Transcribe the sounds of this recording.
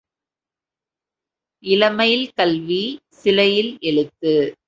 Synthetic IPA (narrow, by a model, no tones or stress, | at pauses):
ʔɪlɐmɐjɪlkɐlʋisɪlɐjɪlɛɻɯt̪ːɯ